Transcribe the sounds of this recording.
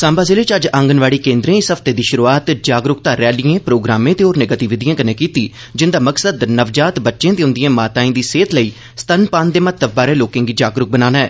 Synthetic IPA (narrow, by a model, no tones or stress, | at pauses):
sãːmbaːzɪleːt͡ʃəd͡ʒəŋɡənʋaːɽiːkẽːnd̪ɾẽːɪsɦəpʰt̪eːd̪iːʃʊɾuaːt̪d͡ʒaːɡɾʊkt̪aːɾɛːliẽːpɾoːɡɾaːmẽːt̪eːoːɾnẽːɡət̪iːʋɪd̪ijãːkənẽːkiːt̪iː | d͡ʒɪnd̪aːməksəd̪nəʋd͡ʒaːt̪bətːʃẽːt̪eːʊ̃nd̪ɪjãːmaːt̪aːĩːd̪iːseːt̪ləiː | st̪ənpãːnd̪eːmət̪ːəb̚baːɾeːloːkɪ̃ːŋɡiːd͡ʒaːɡɾʊk̚bənaːnaɛː